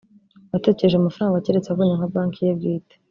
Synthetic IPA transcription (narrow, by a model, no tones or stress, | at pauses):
wate̞ceɾeʒeamafaɾaːŋɡaceɾet͡seaβoɲaŋhablaːŋkijebɟiːte̥